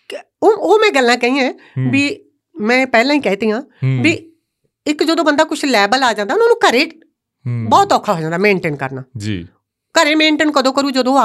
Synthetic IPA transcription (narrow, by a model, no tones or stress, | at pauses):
ooːmɛ̃ːɡəlːãːkɛ̃iːãː | biː | mɛ̃ːpɛːlãːiːkɛːt̪iːãːbiː | ɪkd͡ʒəd̪õːbənd̪aːkʊt͡ʃʰlɛːbəlaːd͡ʒãːnd̪aːʊnãːnũːkəɾeː | bɔːt̪ɔːkʰːaːɦoːd͡ʒãːnd̪aːmẽːɳʈeːnkə̰ɾna̰ːd͡ʒḭː | kəɾeːmẽːɳʈeːnkəd̪õːkəɾuːd͡ʒəd̪õːa